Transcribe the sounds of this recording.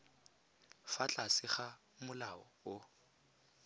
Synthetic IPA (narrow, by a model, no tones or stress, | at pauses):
fat͡ɬʼasɪχa | mʊlaɔʊ